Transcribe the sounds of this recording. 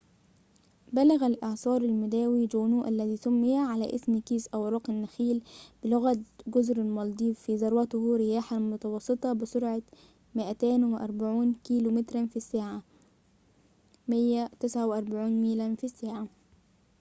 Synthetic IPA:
bælaɣalʔɑʕsˤɑːɾˤalmɪd̪æːwiːd͡ʒunuːʔalːæðiːsʊmːɪjaʕalæʔɪsmkiːzʔawɾˤɑːqɪnːaxiːlb̥ɪlʊɣæt̪ɡʊzɾalmɑld̪ˤiːfiːzɑɾˤwɑt̪ʊhɾɪjaːħamʊt̪ɑwɑsˤːɨt̪ˤɑbɪsʊɾʕa | mɪʔæt̪æːnwɪʔɑɾˤbaʕuːnkiːlumɪt̪ɾɑnfisːaːʕa | mɪjːat̪ɪsʕawɪʔɑɾˤbaʕuːnmiːlanfisːaːʕa

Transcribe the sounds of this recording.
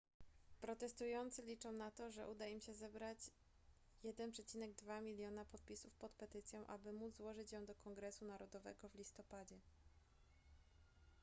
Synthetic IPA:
pɾɔt̪ɛst̪ujɔnt̪sɘlʲit͡ʂɔ̃w̃nat̪ɔʐɛʔud̪aimɕɛzɛbɾat͡ɕ | jɛd̪ɛnpʂɛt͡ɕinɛɡ̚d̪vamʲilʲjɔnapɔt̪̚pʲisufpɔt̪pɛt̪ɘt̪sʲjɔ̃w̃ʔa̰bɘmud̪zzwɔʐɘt͡ɕjɔ̃w̃d̪ɔkɔŋɡɾɛsunaɾɔd̪ɔvɛ̰ɡɔvlʲist̪ɔpad͡ʑɛ

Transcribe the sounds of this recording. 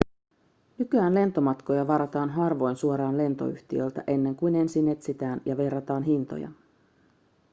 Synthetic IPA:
nykyæːnle̞nt̪o̞mɑt̪ko̞jɑʋɑɾɑt̪ɑːnɦɑrʋo̞jnsuoɾɑːnle̞nt̪o̞̰y̰çt̪iølt̪æ̰ʔe̞nːe̞ŋkujne̞nsinːe̞t̪sit̪æːnjɑʋe̞rːɑt̪ɑːnɦint̪o̰jɑ̰

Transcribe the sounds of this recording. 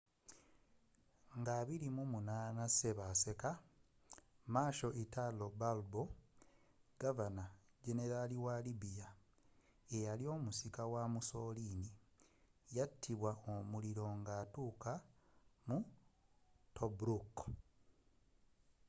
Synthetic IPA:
ŋɡaːβilimumunaːnase̞βase̞ka | maːʃo̞ʔitalobalbo̞ | ɡ̥avana | ɟe̞ne̞ɾaliwalibija | ejalio̞ːmusikawamuso̞lini | jatʰːiβwaomuliɾo̞ŋɡaːtuːkamu | tobɾuk

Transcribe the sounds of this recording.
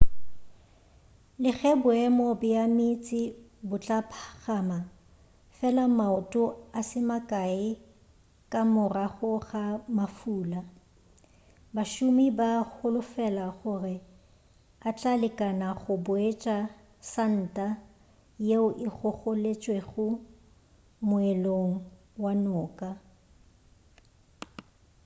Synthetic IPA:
lɪɣɛbʊɛmobɪjamɪt͡sʼɪ | bʊt͡ɬʼapʰaɣama | fɛlamaʊtʼʊasɪmakʼaɪ | kʼamʊraχʊɣamafuːla | baʃʊmibaɣʊlʊfɛlaɣʊrɪ | at͡ɬʼalɪkʼanaɣʊbʊet͡ʃʼa | san̩ːtʼa | jeʊʔɪɣʊχʊlet͡ʃʼweɣʊ | mʊɛloŋ̩ | wanʊːkʼa

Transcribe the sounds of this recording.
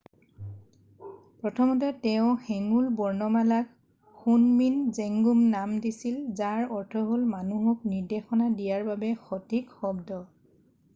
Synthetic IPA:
pɹɔtʰɔmɔt̬ɛtɛʊ̃xɛŋulbɔɹnɔmalak | xunminzeŋɡumnamdisilzaɹɔɹtʰɔɦolmanuɦuk̚niɹdexɔnadijaɹbabɛxɔtikxɔbdɔ

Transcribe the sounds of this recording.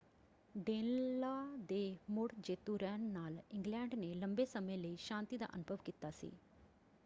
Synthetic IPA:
ɖeːnlaːd̪eːmʊɽd͡ʒeːt̪uːɾɛːnːaːlɪ̃ŋɡlɛːɳɖneːləmbeːsəmẽːləiːʃãːnt̪iːd̪a̰ːʔə̰nʊbʱəʋkiːt̪aːsḭː

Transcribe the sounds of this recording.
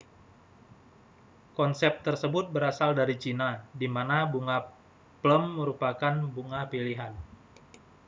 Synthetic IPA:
kɔnsɛp̚t̪ərsəbʊt̪̚bəɾasaldaɾit͡ʃinadimanabuŋa | pləmːəɾupakanbuŋapiliɦan

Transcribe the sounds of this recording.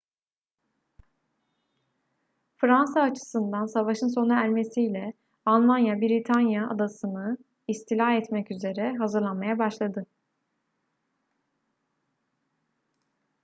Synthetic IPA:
fɾansaːt͡ʃʰɯ̥sɯnd̪ansavaʃɯnso̞naæɾme̞sijlʲɛ | alˠmanjabiɾit̪ʰanjaa̰d̪asɯnɯ | ist̪ʰilʲaɦɛt̪mɛcyze̞ɾɛɦazɯɾlˠanmajabaʃlˠad̪ɯ

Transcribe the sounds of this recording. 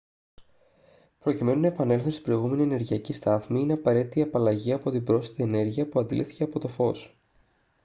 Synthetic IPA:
pɾo̞cime̞nunɐepɐne̞lθunst̪ibɾo̞iɣume̞niene̞ɾʝiɐcist̪ɐθmiine̞ɐpɐɾe̞t̪it̪iɐpɐlɐʝiɐpo̞t̪ibɾo̞sit̪iene̞ɾʝiɐpuɐnd̪ilḭθice̞ɐpo̞t̪o̞fo̞s

